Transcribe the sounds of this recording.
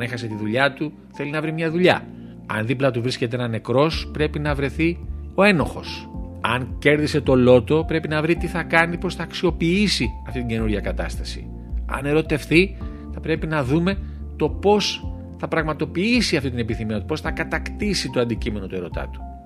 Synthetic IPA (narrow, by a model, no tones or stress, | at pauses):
ɐne̞xɐse̞t̪iðuʎɐt̪u | θe̞linɐvɾimɲɐðuʎɐ̰ | ɐ̰nðiplɐt̪̬uvɾisce̞t̪eenɐne̞kɾo̞spɾe̞pinɐvɾe̞θio̞e̞no̞xo̞̰sɐŋce̞ɾðise̞t̪o̞lo̞t̪o̞pɾe̞pinɐvɾit̪iθɐkɐnipo̞sθɐːksio̞piisiɐft̪it̪iɲɟe̞nuɾʝɐkɐt̪ɐ̰st̪ɐsḭ | ɐ̰ne̞ɾo̞t̪e̞fθi | θɐpɾe̞pinɐðume̞ | t̪o̞po̞s | θɐpɾɐɣmɐt̪o̞piisiɐft̪it̪ine̞piθimiɐt̪upo̞sθɐkɐt̪ɐkt̪isit̪o̞ɐnd̪icime̞no̞t̪ue̞ɾo̞t̪ɐ̰t̪u̥